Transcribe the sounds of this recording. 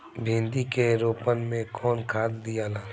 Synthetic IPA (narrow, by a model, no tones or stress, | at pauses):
bʱĩnd̪ikeɾoːpənmẽkʰɔːnkʰaːd̪d̪ijalaː